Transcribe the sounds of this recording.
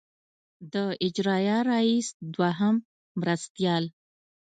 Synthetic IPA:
d̪əɪd͡ʒɾɑjɑɾaisd̪waɦamː | ɾast̪jɑl

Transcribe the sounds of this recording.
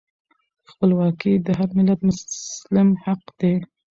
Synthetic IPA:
xpəlwɑkid̪əɦaɾmɪlat̪mʊlɪmhaqd̪e

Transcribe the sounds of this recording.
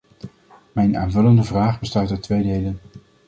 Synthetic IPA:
mɛjna̰ːnvɵləndəvraːχbəstaːtətʋejdejlən

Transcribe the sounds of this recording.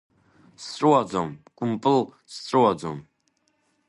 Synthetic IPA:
sʼruad͡zɔmkʼumpʼɨl | sʼruad͡zɔm

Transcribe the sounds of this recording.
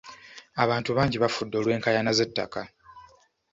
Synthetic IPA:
aβaːntuβaːɲɟiβafudːo̞ːlwe̞ːŋkajanaze̞tːa̰ka

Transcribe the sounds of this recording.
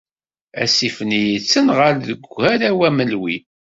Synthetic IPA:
æ̰sifənijit͡sːənʁəɾðəɡʷhæɾæwæməlwi

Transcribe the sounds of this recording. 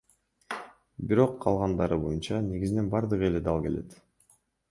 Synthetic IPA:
biɾo̞qʰːɑ̰lˠʁɑnd̪ɑɾɯbo̞junt͡ʃɑne̞ɡʲizine̞nbɑɾd̪ɯʁɯe̞led̪ɑlˠke̞le̞̰t̪

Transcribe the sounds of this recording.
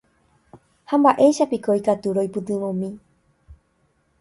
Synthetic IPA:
hambaʔe̞ʃapikoikat̪uɾo̞jpɨt̪ɨ̃ʋõmĩ

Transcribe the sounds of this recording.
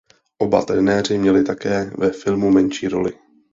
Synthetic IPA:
ʔo̞ba̰t̪ɾɛnɛːr̝ɪmɲɛlɪt̪akɛːvɛfɪlmumɛnʃiːɾo̞̰lɪ̰

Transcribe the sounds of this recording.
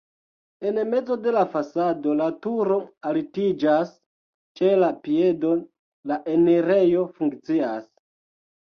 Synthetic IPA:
e̞nme̞d͡zo̞de̞lafasado̞latuɾo̞alitid͡ʒas | t͡ʃe̞lapie̞do̞ | laʔe̞neɾe̞jo̞fuŋkt͡sias

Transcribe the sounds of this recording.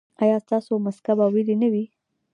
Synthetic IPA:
ajɑst̪ɑsomaskabawelinawi

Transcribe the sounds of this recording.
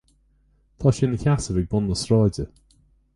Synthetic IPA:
t̪ʰɑːʃɪnəçasəvɪɡ̚bʊnːəsɹɔːdə

